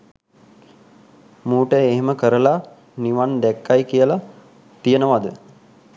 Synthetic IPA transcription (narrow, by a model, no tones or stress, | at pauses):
muːʈəeɦeməkəɾəla | niʋand̪ɛkːajkijəla | t̪ijənəʋad̪ə